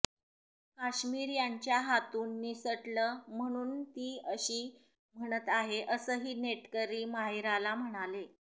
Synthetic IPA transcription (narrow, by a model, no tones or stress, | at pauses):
kaɕmiːɾjaɲt͡ɕjaɦat̪uːnːisəʈləːm̤əɽ̃uːnt̪iːəɕiː | m̤əɽ̃ət̪aɦeʔəsəːɦiːneʈkəɾiːmaɦiɾalam̤əɽ̃ale